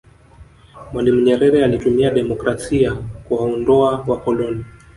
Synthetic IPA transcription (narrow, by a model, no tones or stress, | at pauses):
mwanimuɲɛɾɛɾɛalitumiaɗɛmɔkɾasiakuwaɔndɔawapɔlɔni